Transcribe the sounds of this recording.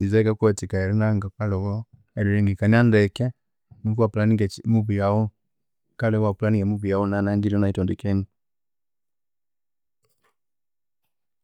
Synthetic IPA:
izaikakwɔtikaɛɾɛnaŋɡakalɛwɔ | ɛɾiɾɛŋɡikaniandɛka | nikuapulaniɛmuβiaɔ | kalɛwapulanikamuβiaunanaɲd͡ʒilɔnaitɔndikɛni

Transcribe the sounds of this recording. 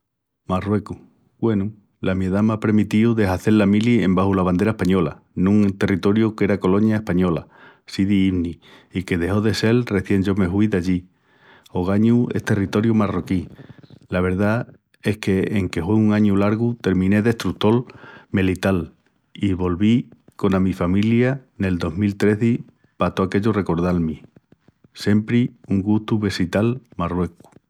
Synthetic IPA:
marwe̞ku | ɡwe̞nu | lamjeðamapɾemit̪iuðe̞ɦaθe̞lamiliembahulaβand̪e̞ɾaehpaɲo̞la̰ | nũŋt̪e̞rit̪o̞ɾjuke̞ɾako̞lo̞ɲjae̞spaɲo̞la | siðiiβni | ike̞ðe̞ho̞ðe̞se̞lre̞θje̞ɲd͡ʒo̞me̞ɦwuiðaʎi | o̞ɣ̞aɲue̞̰ht̪e̞rit̪o̞ɾjumaro̞kilaβ̞e̞ɾða | e̞hke̞eŋke̞fweuŋãɲulaɾɣut̪e̞ɾmĩne̞ðe̞hst̪ɾut̪o̞lmelit̪al | iβo̞lβiko̞namifamiljane̞ld̪o̞zmilt̪ɾe̞θi | pat̪oake̞ʎore̞ko̞ɾðalmi | se̞mpɾiuŋɡuht̪uβe̞sit̪almarwe̞ku̥

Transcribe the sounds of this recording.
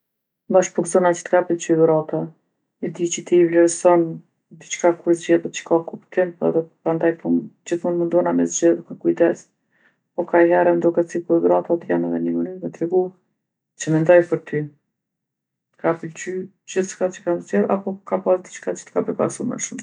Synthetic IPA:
baʃpɔɾzɔnat͡ʃət̪kapəlt͡ʃyɡɾat̪a | ɛd̪it͡ʃət̪ivlɛɾsɔn | d̪it͡ʃkakuɾzd͡ʑɛðɛt͡ʃə̥kakupt̪ɛmpɛ̰ðɛpɾand̪ajpund͡ʑiθmund̪mund̪ɔnamɛzd͡ʑɛðkakujt̪ɛs | pɔkajɦɛɾɛnd̪ukɛt͡sikuɾɡɾat̪at̪janɛðɛnəmənyɾnɛt̪ɾɛɡu | t͡ʃəmɛnd̪ɔjpəɾt̪ʰy | t̪kapəlt͡ʃy | d͡ʑiθʃkat͡ʃə̥kamzd͡ʑɛða̰pɔkapasd̪it͡ʃkat͡ʃə̥t̪ə̥kapəɾpa̰ɾsumɛ̰ʃum

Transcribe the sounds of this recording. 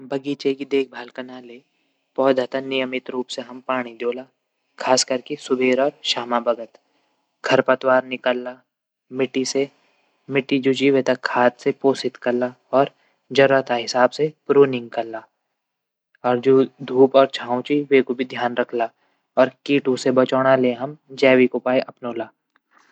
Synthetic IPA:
bʱɐɡiːt͡ʃekid̪eːk̚ʰbʱaːlkɐnaːle | pɔːd̪ʱət̪anɪjəmɪt̪ɾuːpseɦɐmpaːɽ̃id̪oːlaː | kʰaːskɐɾkesʊbʱeːɾɔːɾʃaːmabɐɡət̪ | ɡʱɐɾpɐt̪waːɾnɪkəlːaː | mɪʈise | mɪʈid͡ʒoːd͡ʒiʋeːt̪ɐkʰːaːt̪sepoːsɪt̪kɐɾla | ɔːɾ | d͡ʒɐɾət̪ʰaɦɪsaːbsepɾuːnɪ̃ŋɡ̚kɐllːaː | ɔːɾd͡ʒoːd̪ʱuːpɔːɾt͡ʃʰãːwt͡ʃiʋeːkobʱid̪ʱjaːnɾɐkʰla | ɔːɾkiːʈũsebɐt͡ʃɔːɽ̃aleɦɐmd͡ʒɛːwikopaːiʔɐpnoːlaː

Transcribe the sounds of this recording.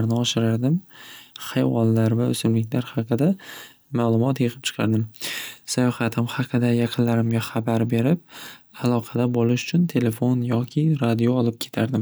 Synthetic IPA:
ɾnɪɒʃɪɾaɾd̪ɪmχajwɒlːaɾvaɵ̰sɪmlɪkʲlaɾhɑqʰɨd̪a | maːlˠʊmɒt̪jɨqʰɨp̚t͡ʃʰɨ̥qʰɑ̰ɾd̪ɪmsajɒhat̪ʰɪmhɑqʰɨd̪ajɑqʰɨnlaɾɪmɡʲaχabaɾbe̞ɾɪp̚alˠɒqʰɑd̪abolɪʃʊ̥t͡ʃʰʊnt̪ʰe̞le̞fo̞njɒkʲʰɪɾad̪ioɒlˠɪp̚kʲʰe̞t̪ʰaɾd̪ɪm

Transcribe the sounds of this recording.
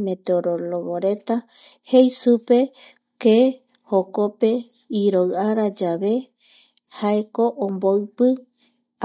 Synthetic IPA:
me̞t̪eoɾoloβoɾe̞t̪a | hejsupe̞ | ke | hokope̞ | iɾoɨaɾad͡ʒaβe̞ | haeko̞ʔõmboɨpɨ

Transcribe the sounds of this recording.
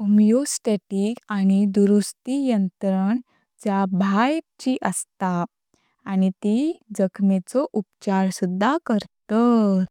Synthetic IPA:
umjosʈeʈiːkañid̪uɾust̪ijənt̪ɾəɳ | d͡ʑjabʱajk̚t͡ɕiʔəst̪aː | ñit̪id͡zəkʰmet͡sɔʔupt͡ɕaɾsud̪ʱːakəɾt̪ət̪

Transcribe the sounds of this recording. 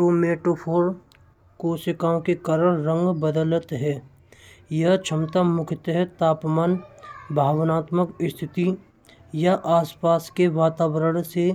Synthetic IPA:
oːmeːʈoːpʰoːɾ | koːsəkaːõkekaɾəɾːə̃ŋɡbəd̪ələt̪ɦɛː | jəɦt͡ʃʰəmt̪amʊkʰɪt̪ɦɛt̪aːpmaːnbʱaːʋnaːt̪məkɪst̪ʰɪt̪i | jaʔaːspaːskeʋaːt̪aːwəɾəɽ̃se

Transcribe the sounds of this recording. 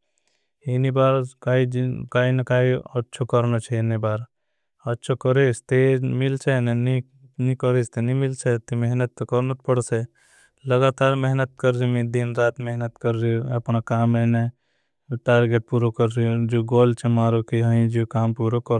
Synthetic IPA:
enibaːɾkaːikaːinɐkaːiətːt͡ʃʰokəɾnot͡ʃʰeenibaːɾ | ɐtːʃʰokəɾeːst̪emɪlt͡ʃʰeneni | nĩkəɾest̪enimɪlt͡ʃʰet̪imeɦnət̪ːkəɾnət̪̚pəɽse | lɐɡaːt̪aːɾmɛɦnət̪̚kəɾd͡ʒimĩd̪inɾaːt̪meɦnət̪kəɾɾioɐpnakaːmene | ʈaːɾɡeʈ̚puːɾokəɾɾiod͡ʒoːɡoːlt͡ʃʰemaːɾokiɦɐĩd͡ʒoːkaːmpuːɾokəɾ

